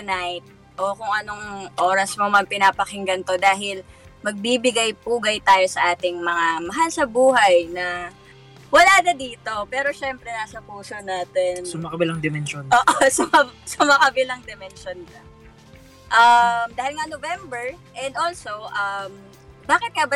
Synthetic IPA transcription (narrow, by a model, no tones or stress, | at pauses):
t̪ʊnajt̪̚ | ʔo̞kʊŋʔɐno̞ŋʔoːɾɐsmomɐŋpɪnaːpɐkɪŋɡɐnt̪o̞d̪aːɦɪlmɐɡ̚bibɪɡajpuːɡɐjt̪aːjo̞sɐʔaːt̪ɪŋmɐŋamɐɦalsɐbuːɦɐjnɐ | wɐlanɐd̪iːt̪o̞pɛːɾo̞ʃɛmpɾɛnaːsɐpuːso̞naːt̪ɛnsʊmɐkɐbɪlaŋd̪ɛmɛnʃonoːʔosɐmɐsʊmɐkɐbɪlɐŋd̪ɛmɛnʃondɐ | ʔɐmd̪aːhɪlŋanovɛmbɛɹʔɛnd̪olsowʔɐm | baːkɪt̪̚kabɐ